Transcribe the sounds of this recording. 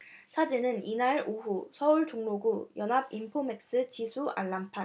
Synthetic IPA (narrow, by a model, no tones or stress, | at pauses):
sʰad͡ʑenɯninaɭoɸusʰʌuɭt͡ɕoŋnoɡujʌnɦabimpʰome̞k̚s͈ɯt͡ɕisʰua̰ɭːampʰan